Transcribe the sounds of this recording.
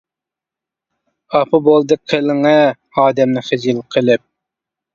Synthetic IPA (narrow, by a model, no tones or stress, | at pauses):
ɑpʰɨbolˠd̪ɨqʰːelɪŋɛ | ɑːd̪ɛmnɪχɪd͡ʒilqʰəlˠɪp̚